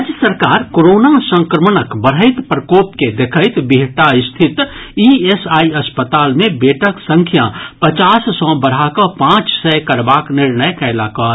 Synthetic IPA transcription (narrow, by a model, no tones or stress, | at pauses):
d͡ʒjəsəɾkaːɾkoɾoːnasə̃ŋkɾəmnəkbəɽ̤əɪt̪pɾəkoːpked̪ekʰəɪt̪biɦʈaɪst̪ʰɪt̪iesaːiɐspət̪aːlmẽbeːʈʰəksə̃ŋkʰjapət͡ʃaːssɔ̃bəɽ̤ɦakapãːt͡ʃsɛkəɾbaːknɪɾnəjkɛːlakaː